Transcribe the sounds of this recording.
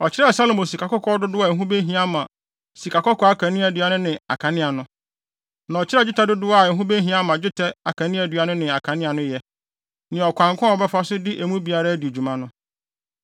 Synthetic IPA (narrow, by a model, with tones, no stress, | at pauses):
ɔ˨t͡ɕʰɪ˦ɾɛ˦˨sa˦lo˨mõ˨si˨ka˨kɔ˦kʰɔ˦dʊ˦dʊ˦a˨ɦũ˦be˦ɦĩ˦a˦mã˨ | si˨ka˨kɔ˦kʰɔ˦a˦kʰã˨nɪ̃˦æ˨dɥa˨nʊ̃˦nɪ̃˨a̰˨kʰã˨nɪ̃˦a˨nʊ̃˦ | nã˨ɔ˨t͡ɕʰɪ˦ɾɛ˦d͡ʑᶣɪ˦tʰa˦dʊ˦dʊ˦a˨ɛ˨˦ɦũ˦be˦ɦĩ˦a˦mã˨d͡ʑɪ˦tʰɛ˦a˨kʰã˨nɪ̃˦æ˨dɥa˨˦nʊ̃˦nɪ̃˨a˨kʰã˨nɪ̃˦a˨nʊ̃˦jɛ˦ | nɪ̃˨ɔ˨kʷã˨ŋ˨kʰʷã˦ɔ˨bɛ˦fa˦sʊ˦dɪ˦ʔe˨mũ˦bi˨a˨ɾa˦dɪ˨o˨d͡ʑu˨mã˦nʊ̃˦